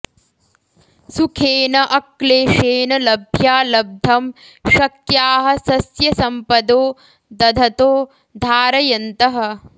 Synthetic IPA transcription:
sukʰeːnɐʔɐkleːʃeːnɐlɐbʱjaːlɐb̚d̪ʱɐm | ʃɐkjaːɦɐ̆sɐsjɐsɐmpɐd̪oː | d̪ɐd̪ʱɐt̪oː | d̪ʱaːɾɐjɐnt̪ɐɦɐ̆

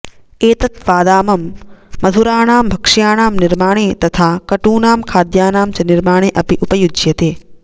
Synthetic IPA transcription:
eːt̪ɐt̪ʋaːd̪aːmɐmːɐd̪ʱuɾaːɳaːmbʱɐkʂjaːɳaːmnɪɾmaːɳeːt̪ɐt̪ʰaːkɐʈuːnaːmkʰaːd̪jaːnaːmt͡ʃɐnɪɾmaːɳ̃eːʔɐpiʔupɐjud͡ʒjɐt̪eː

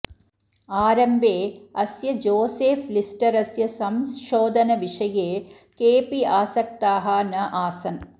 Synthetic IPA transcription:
aːɾɐmbʱeːɐsjɐd͡ʒoːseːflisʈɐɾɐsjɐsɐmʃoːd̪ʱɐnɐʋiʂɐjeː | keːpiaːsɐk̚t̪aːɦaːnɐʔaːsɐn

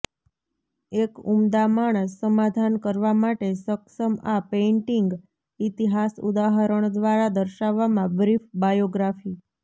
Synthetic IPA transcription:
ekumd̪amaɳ̃əsəmad̪ʱankəɾʋamaʈesəksəmapeɳʈiŋɡ | it̪iɦasṵd̪aɦəɾəɳ̃d̪ʋaɾad̪əɾʃaʋːamãbɾifbajoɡɾafi

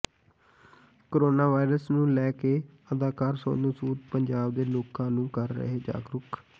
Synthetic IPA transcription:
koɾoːnaːʋaːɪɾəsnũːlɛːkeː | əd̪aːkaːɾso̰ːnũːsuːd̪pəɲd͡ʒaːbd̪eːloːkãːnũːkəɾːə̰ɦeːd͡ʒa̰ːɡɾʊk

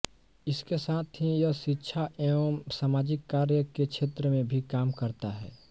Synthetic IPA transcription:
ɪskesaːt̪ʰɦijɐʃɪtːʃʰaʔemsaːmaːd͡ʒɪkːaːɾjəkekʃʰeːt̪ɾəmẽbʱikaːmkəɾt̪aɦɛ̰ː

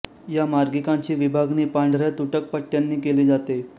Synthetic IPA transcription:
jamaɾɡikãɲt͡ɕiːʋibʱaɡniːpaɳɖʱɾjat̪uʈək̚pəʈːjanːiːkeliːd͡zat̪e

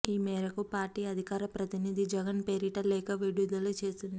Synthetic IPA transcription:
iːmɛːɾɐkupaːɾʈiːɐd̪ʱikaːɾɐpɾɐt̪inid̪ʱid͡ʒɛɡɐnpeːɾiʈɐlɛːkɐʋiɽud̪ɐlut͡ʃe̞ːst̪und̪i

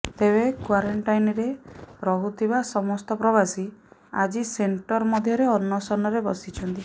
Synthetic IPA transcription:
t̪eβekwaɾeɳʈajnɾeɾɔɦut̪ʰibasɔmɔst̪ɔpɾɔβasiad͡ʒiseɳʈɔɾmɔd̪ʱjɔɾeɔnːɔsɔnɔɾebɔsit͡ʃʰɔnt̪i

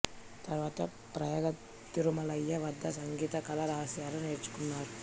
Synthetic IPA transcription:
t̪ɐɾʋaːt̪ɐ | pɾɐjɐːɡɐ | t̪ːiɾumɐlɐjːɐʋɐd̪ʱːɐsɐŋɡiːt̪ɐkɐlɐɾɐɦɐsjaːɾɐneːɾt͡ʃːu̥kunːaːɾu

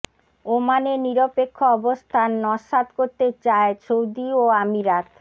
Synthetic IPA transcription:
omaneniɾopekʰːoɔbost̪ʰanːɔʃat̪koɾt̪et͡ɕaet͡ɕʰowd̪ioamiɾat̪

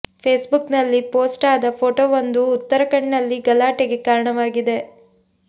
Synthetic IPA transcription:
pʰeːsbuknɐlːipoːsʈaːd̪ɐpʰoːʈoːʋɐnd̪uːt̪ːɐɾɐkɐɳnɐlːiɡɐlaːʈeɡe̞kaːɾɐɳɐʋaːɡid̪e̞

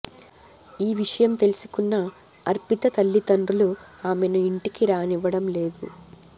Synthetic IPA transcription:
iːʋiʂɐjɐmt̪e̞lisu̥kunːɐ | ɐɾpit̪ɐt̪ɐlːit̪ɐnɖuluaːmenuiɳʈikiɾaːniʋːɐɽɐmle̞ːd̪ṵ

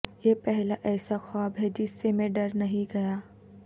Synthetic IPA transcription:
jepɛɦlaʔɛːsaxaːbɦɛd͡ʒɪsːemẽɖɐɾnɐɦĩɡɐjaː

